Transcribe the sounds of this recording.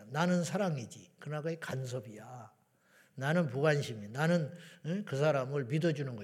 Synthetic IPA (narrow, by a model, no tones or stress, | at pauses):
nanɯnsʰaɾaŋid͡ʑikɯnaɡaekans̬ʰʌbija | nanɯnpuɡanɕʰiminanɯnekɯs̬ʰaɾamɯɭmidʌd͡ʑunɯnɡʌ